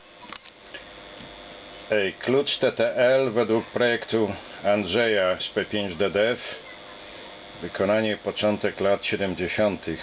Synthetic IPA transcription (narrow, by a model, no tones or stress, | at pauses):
ɛklut͡ʂt̪ɛt̪ɛʔɛlvɛd̪wuk̚pɾɔjɛkt̪uandʐɛjaspɛpʲjeɲd͡ʑd̪ɛd̪ɛf | vɘkʰɔnaɲɛpɔt͡ʂɔnt̪ɛklat̪ɕɛd̪ɛmd͡ʑeɕɔnt̪ʰɘx